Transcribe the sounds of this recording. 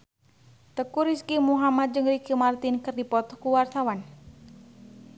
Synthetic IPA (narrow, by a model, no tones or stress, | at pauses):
t̪əkuɾiskimuɦamat̪̚d͡ʒɨŋɾikəmart̪inkɨrdipɔt̪ɔkuwart̪awan